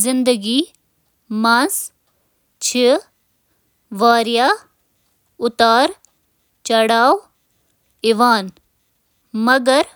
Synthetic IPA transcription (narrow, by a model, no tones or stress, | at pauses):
zɪnd̪əɡiː | mãːs | t͡ʃʰɪ | ʋaːɾjaː | ʊt̪aːɾ | t͡ʃɐɽaːw | ɪʋaːn | mɐɡəɾ